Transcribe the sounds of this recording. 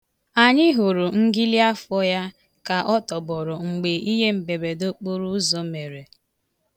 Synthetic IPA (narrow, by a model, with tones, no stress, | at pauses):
a˨ɲɪ˦ɦo˨ɾu˨ŋ̩˦ɡi˦li˦a˦fɔ˦ja˦ | ka˨ʔɔ˦tɔ˨bɔ˨ɾɔ˨ŋ͡m̩˨ɡ͡be˨i˦ɦe˦m̩˨be˨be˨do˦k͡po˦ɾu˦zɔ˨me˨ɾe˨